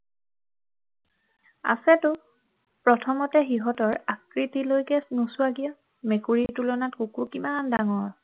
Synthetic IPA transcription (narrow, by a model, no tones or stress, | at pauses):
a̰sɛtʊ | pɹɔtʰɔmɔtɛxiɦɔtɔɹakɹitilojkɛsnusʊaɡijɔ | mekuɹitulɔnatkukukimandaŋɔɹ